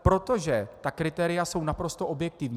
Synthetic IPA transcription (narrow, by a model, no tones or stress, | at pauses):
pɾo̞t̪o̞ʒɛt̪akɾɪt̪ɛːɾɪjaso̞wnapɾo̞st̪o̞ʔo̞bjɛk̚t̪ɪvɲ